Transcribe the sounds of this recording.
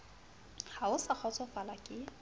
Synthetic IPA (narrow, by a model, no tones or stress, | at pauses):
haʊsak͡xʰɔt͡sʰʼɔfalakʼɪ